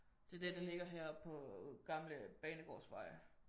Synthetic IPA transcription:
d̥e̝ɐd̥eɐd̥ɑ̈le̝ɡ̥ɐɦæɐ̰pʰɒ̽ɡ̥ɑ̈mləb̥ɛːnəɡ̥ɒ̰ːsʋɑ̈ɪ

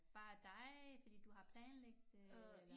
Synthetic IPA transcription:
b̥ɑ̈ːd̥ɑ̈ɪfɒd̥ḭːd̥uɦɑ̈pʰlɛːnleɡ̥̚d̥

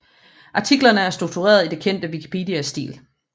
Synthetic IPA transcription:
ʔɑ̈t͡sʰiɡ̥lɐnəæɐsd̥ʁuɡ̥̚t͡sʰuʁɛ̰ːɐð̞ˠid̥e̝kʰen̰d̥əʋikʰi̥pʰe̝ːd̥iæsd̥ḭːl

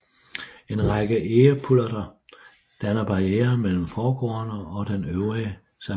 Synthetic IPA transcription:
e̝nʁɑ̈ɡ̥əʔeːɐpʰulɐd̥ɐ | d̥ænɐb̥ɑ̈ieːɐmel̰m̩fɒːɡ̥ɒ̰ːɐnəɒ̽d̥enøʊʁi | sæ

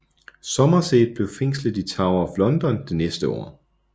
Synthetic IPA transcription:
sɒ̽mɐsḛːd̥̚ˠb̥le̝ʊfeŋ̰sləðˠit͡sʰɑ̈ʊɐɒflɒ̽nd̥ɒ̽nd̥enesd̥əɒ̰ː

